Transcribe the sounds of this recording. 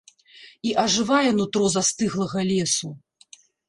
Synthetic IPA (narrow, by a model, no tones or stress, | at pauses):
iʔɐʐɨvajɛnut̪ɾɔzɐst̪ɨɣlˠɐɣɐlʲɛsu